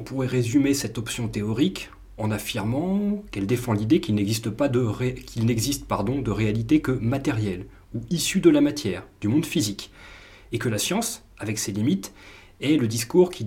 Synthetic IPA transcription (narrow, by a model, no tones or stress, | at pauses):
ɔ̃puʁɛʁezymesɛt̪ɔpsjɔ̃t̪eɔʁik | ɑ̃nafiʁmɑ̃kɛld̪efɑ̃lid̪ekilnɛɡzist̪əpad̪əʁekʰʲilnɛɡzist̪̚paʁd̪ɔ̃d̪əʁealit̪ekəmat̪ɛʁjɛl | uisyd̪əlamat̪jɛːʁd̪̥ymɔ̃d̪fizik | ekəlasjɑ̃s | avɛkselimit̪ | ɛləd̪iskuʁkʲʰi